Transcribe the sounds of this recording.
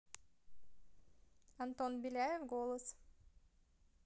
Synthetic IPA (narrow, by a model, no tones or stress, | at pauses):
ɐnt̪onbilʲajefɡolˠəs